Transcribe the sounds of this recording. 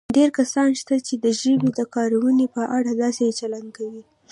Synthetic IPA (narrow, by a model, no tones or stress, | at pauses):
ɖeɾkasɑnʃt̪at͡ʃed̪əʒəwid̪əkɑɾawənepəʔaɽad̪ɑsejt͡ʃaland̪̚kawi